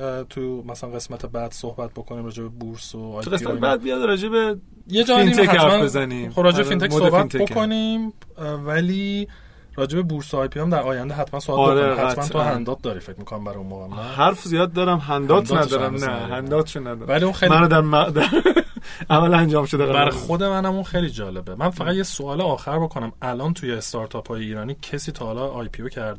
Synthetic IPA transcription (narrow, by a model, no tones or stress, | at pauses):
t̪ʰumæsælænɡesmæt̪ʰebæd̪̥sohbæt̪̚bo̞kʰonimɾɒːd͡ʒebebuɾsoj̪ɣesmæt̪ebæd̪̚bijɒd̪ɾɒːd͡ʒebe | jed͡ʒɒːfiniekæhæɾmfænbezæniːmxobɾɒːd͡ʒebefinemodsoebiætnt̪ʰebokʰonimvæliː | rɒːd͡ʒe̞bebuɾsoɒjpʰiæmd̪æɾɒːjænd̪eɦæt̪ʰmænsobælbɾehæmænʰoɦænd̪ɒːt̪̚d̪ɒːɾifec̚ʰmiːkʰonæmbæɾɒunmoːɣemæhæɾfzijɒːd̪̚ːɒːɾæmɦænd̪ɒːtnd̪næd̪ɒːɾæmnæɦænd̪ɒːt̪ʃunːæd̪ɒɾæliunxejmænod̪æɾmæd̪æɾ | ʔæmælænd͡ʒɒːmʃod̪ebæɾɒjxod̪e̞mænæmunxejliːd͡ʒɒːle̞bemænfæɣæd̪jesoɒːleɒːxæɾbo̞kʰonæmælɒːnt̪ʰujeːst̪ʰɒɾt̪ʰɒpʰɒːjeiːɾɒːniːcʰesiːt̪ʰɒhːlɒɒjpʰiocʰæɾd̪